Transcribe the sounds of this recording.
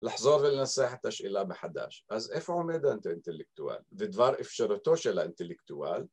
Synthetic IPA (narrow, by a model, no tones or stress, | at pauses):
lɑħzˤoːɾˤðɪlnasaħat̪ʔaʃʔɪlabɪħad̪a̰ːʃʔazʔefʕomed̪ant̪ɪnt̪ɪlɪk̚t̪uwa̰ːlvɪd̪vɑːɾˤʔɪfʃɑɾt̪oʃɪlaʔɪnt̪ɪlɪkt̪ua̰ːl